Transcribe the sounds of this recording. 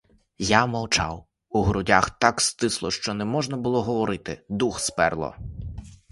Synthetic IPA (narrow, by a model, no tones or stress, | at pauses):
jamɐwt͡ʃɑ̰w | uɦɾʊdʲaxt̪ɑkst̪ɪslˠɔʃt͡ʃɔnɛmɔʒnɐbʊlˠɔɦɔʋɔɾɪt̪ɪd̪uxspɛ̰rlˠɔ̰